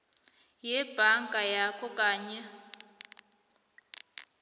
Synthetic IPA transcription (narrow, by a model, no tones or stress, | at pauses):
jɛb̥ʱaŋɡʱʼajakʰɔkʼaːɲɛ